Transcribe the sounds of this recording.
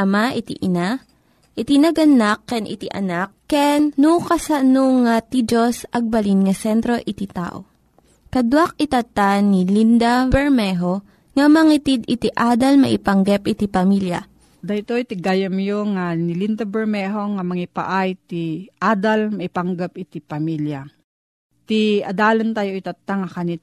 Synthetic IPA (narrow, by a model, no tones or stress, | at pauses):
ɐmaʔit̪iʔɪna | ʔɪt̪inɐɡɐnakːɛnʔɪ̰t̪iʔɐ̰nakːɛnːukɐsɐnoŋat̪id͡ʒosʔɐɡ̚bɐlinŋɐsɛnt̪ɾo̞ʔɪt̪it̪a̰ːʔo̰ | kɐd̪wak̚ɪt̪at̪anilind̪abɛɹmɛɦo | ŋɐmɐŋit̪id̪ɪt̪iʔaːd̪ɐlmɐ̰ʔɪpɐŋɡɐpʔɪt̪ipɐmilja̰ | d̪ɐt̪ojt̪ɪɡajɐmjoŋanɪlind̪abɛɹmɛɦoŋamɐŋipa̰ʔajt̪iʔaːd̪almɐʔipaŋɡap̚ɪt̪ipɐmilja | t̪iɐd̪aːlant̪aːjoʔit̪at̪ːaŋakanit̪̚